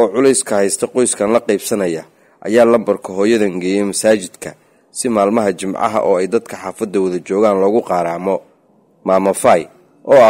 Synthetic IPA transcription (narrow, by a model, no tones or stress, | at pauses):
ɔːʕʊlɛjskʰɐhɛjst̪ʰɐqɔjskʰɐnlɐqɛjb̥sɐnɐjɐ | ʔɐ̰jaːlɐmbɐrkʰɐɦɔːjɐðɐŋɡɛjɛmɐsaːt͡ʃɪd̪̥kʰɐ | sɪmaːlmɐɦɐt͡ʃɪmʕɑ̰ɦɐ̰ʔɔːɛjd̪ɐd̪kʰɐħaːfɐd̪ːɐwɐðɐt͡ʃɔːɣaːnlɔːɣʊqɑːɾaːmɔ | maːmɐfaj | ʔɔːɐ